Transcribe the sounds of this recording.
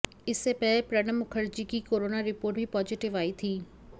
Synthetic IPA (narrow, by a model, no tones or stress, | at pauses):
ɪsːepɛːlepɾɛnəmʊkʰəɾd͡ʒikikoːɾoːnaɾɪpoːɾʈ̚bʱipɔːd͡ʒɪʈɪʋaːit̪ʰiː